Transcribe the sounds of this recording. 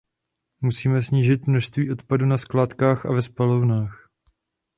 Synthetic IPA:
musiːmɛsɲiːʒɪt̪mnoʃst̪viːʔo̞t̪padunasklaːt̪kaːxʔa̰vɛspalovnaːx

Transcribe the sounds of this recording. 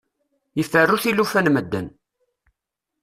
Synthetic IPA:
jəfːərːuθilːufænməd̪ːən

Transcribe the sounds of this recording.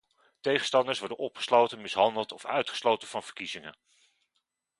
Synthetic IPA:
tejχənstɑndəsʋɔɹdənɔpχə̥slowtənmɪsɦɑndəlˠtɔfœ̰ɥtχəslowtənvɑnv̥əɹkizɪŋən

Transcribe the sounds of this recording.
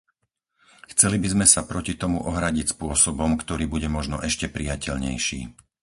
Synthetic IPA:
xt͡sɛlibizmɛsapɾɔcit̪ɔmuʔɔɦɾaɟicspʊɔsɔbɔmkt̪ɔɾiːbuɟɛmɔʒnɔʔɛʃcɛpɾijacɛʎɲɛ̰jʃḭː

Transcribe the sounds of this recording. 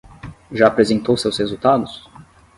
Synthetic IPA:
ʒaːpɾezẽnt̪owsewshezuwt̪ad̪ʊs

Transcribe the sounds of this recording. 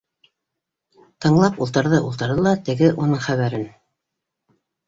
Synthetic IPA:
t̪ɤ̆ɴlˠɑpulˠt̪ɤ̆ɾðɤʔulˠt̪ɤ̆ɾðɤlˠɑt̪ɘ̆ɡɘʔunɤɴχæβæɾɘn

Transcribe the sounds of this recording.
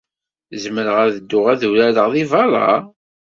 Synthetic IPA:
zəməɾəʁæðəd̪ːʊʁæðulæləʁðivɑɾˤɑ̰

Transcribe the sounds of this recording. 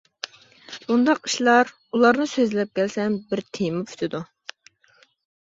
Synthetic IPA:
bund̪ɑqi̥ʃlˠɑɾ | ulˠɑɾnɨsøzlɛp̚kʲɛlsɛnbɪɾt̪ʰejmupfʰy̥t̪ʰɪd̪u

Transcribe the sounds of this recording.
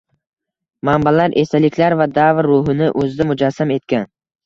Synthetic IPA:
mambalaɾʔe̞salɪkʲʰlaɾvad̪avɾːʊɦɪnɪʔɵzɪd̪amʊd͡ʒasːame̞t̪kʲan

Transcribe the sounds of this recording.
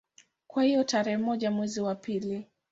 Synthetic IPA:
kwahijɔtaɾɛhɛmɔʄamwɛziwapili

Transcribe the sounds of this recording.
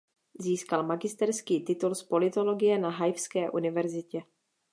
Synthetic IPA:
ziːskalmaɡɪst̪ɛɾskiːt̪ɪt̪ulspo̞lɪt̪o̞lo̞ɡɪjɛnaɦajfskɛːʔunɪvɛɾzɪcɛ

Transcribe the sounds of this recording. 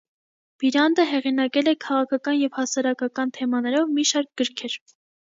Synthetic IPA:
b̥iɾɑnd̪əɦɛʁinɑkɛlɛkʰɑʁɑkʰɑkɑnjɛvhɑsɑɾɑkʰɑkɑnt̪ʰɛmɑnɛɾɔvmiʃɑɾk̚ɡ̥əɾkʰɛɾ

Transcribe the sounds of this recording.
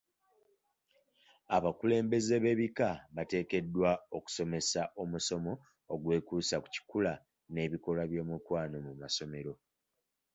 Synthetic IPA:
aβakule̞ːmbe̞ze̞βe̞βikaβate̞ːke̞dːwao̞ku̥so̞me̞saʔo̞muso̞mo̞ː | ɡwe̞ːkuːsaku̥ci̥kula | ne̞βiko̞laβjo̞ːmukwaːno̞mumaso̞me̞ɾo̞

